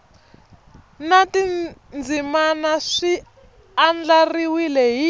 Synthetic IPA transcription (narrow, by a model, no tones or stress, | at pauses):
natind͡zimanaʂi | and͡ɮariwilɛɦi